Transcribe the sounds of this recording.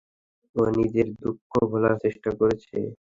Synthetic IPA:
onid͡ʑeɾd̪ukʰːobʱɔlaɾt͡ɕeʃʈakoɾet͡ɕʰḛ

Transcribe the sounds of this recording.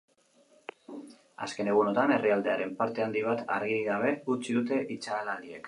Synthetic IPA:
a̰ske̞ne̞ɣ̞uno̞t̪ane̞riald̪e̞aɾe̞mpaɾt̪e̞and̪iβ̞at̪a̰ɾɣiɾiɣaβ̞e̞ɣut͡ʃiðut̪e̞ʔit͡ʃaːlalie̞k

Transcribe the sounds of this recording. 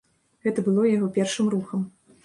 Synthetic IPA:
ɣɛt̪ɐbɨlˠɔjaɣɔpʲɛrʂɨmruxɐm

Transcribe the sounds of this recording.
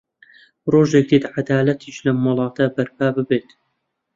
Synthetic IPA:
roːʒek̚d̪it̪ʕad̪aːlɐt̪ʰiʃlɐmːɨlˠɑːt̪ʰɐbɐɾpʰaːbɨbeːt̪

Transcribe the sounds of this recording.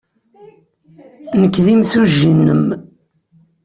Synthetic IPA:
nəkːðimθuʒːinːəm

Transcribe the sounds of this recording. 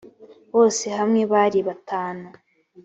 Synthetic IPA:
βo̞ːse̞ɦamŋe̞βaɾiβataːnu

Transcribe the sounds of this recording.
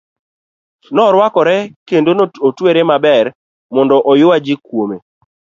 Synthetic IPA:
nɔɾwakɔɾɛkendonootweɾemabɛr | mɔndɔʔɔjʊwad͡ʒikwome

